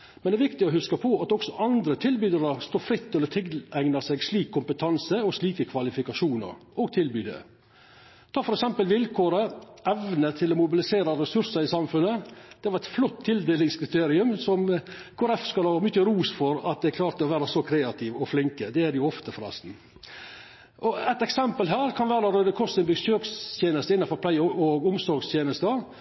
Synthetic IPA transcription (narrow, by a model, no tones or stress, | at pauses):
mɛnd̪ɛɾʋɪkt̪ɪɔɦʉskəpʰɔɑt̪ɔksɔʔɑnd̪ɾət̪ʰɪlbyːd̪əɾəɾst̪oːfɾɪt̪ːɛlːət̪ʰɪɡlæɪŋnɑsɛɡsliːkʰːʊmpət̪ʰɑnsəɔʂliːkəkʰʋɑlɪfɪkɑʂuːnə̰ɾʔoɡt̪ʰɪlbyːd̪ɛ̰ | t̪ʰɑːfɔɾɛksɛmpəlʋɪlkʰoːɾəʔɛʋnət̪ʰɪlɔmʊbɪlɪseːɾɑɾɛsʉɾsəɾɪsɑmfʉnːəd̪̥ɛʋɑɾɛt̪flɔt̪ʰːɪld̪eːlɪŋskʰɾɪt̪ʰeːɾɪʉmsɔmkʰoːɾɛfskʉləhɑmʏçəɾuːsfɔɾɑt̪̚d̪ɛækʰlɑːɾt̪əɔʋæːɾɑsɔkʰɾeːɑt̪ʰɪʋɔflɪŋkəd̪ɛæɾjʊɔft̪əfɔɾɛ̰st̪n̩ | ʔɔɛt̪ɛksɛmpəlɦæːɾkʰɑnʋæːɾɑɾøːd̪əkʰɔst̪ɛnb̪əsøːkst̪ʰjeːnəst̪əɪnːɑnfɔɾpʰlæɪɔɡʊmsɔɾɡst̪jeːnəst̪ə